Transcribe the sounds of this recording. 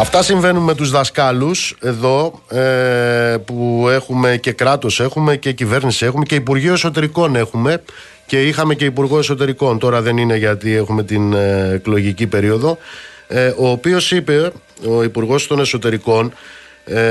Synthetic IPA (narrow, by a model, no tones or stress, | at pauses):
ɐft̪ɐsiɱve̞nunme̞t̪uzðɐskɐluse̞ðo̞ | pue̞xume̞ce̞kɾɐt̪o̞se̞xume̞ce̞cive̞ɾnisie̞xume̞ce̞ipuɾʝioe̞so̞t̪e̞ɾiko̞ne̞xume̞ | ce̞ixɐme̞ce̞ipuɾɣo̞e̞so̞t̪e̞ɾiko̞nt̪o̞ɾɐðe̞nine̞ʝɐt̪ie̞xume̞t̪inklo̞ʝicipe̞ɾio̞ðo̞ | o̞ːpio̞sipe̞ | o̞ipuɾɣo̞st̪o̞ne̞so̞t̪e̞ɾiko̞n